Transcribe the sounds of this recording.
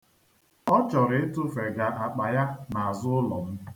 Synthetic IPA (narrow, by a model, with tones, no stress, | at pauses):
ɔ˦t͡ʃɔ˨ɾɪ˦e˦tʊ˦fe˨ɡa˨ʔa˨k͡pa˨ja˦na˨a˨zʊ˦ʊ˦lɔ̰˨m̩˦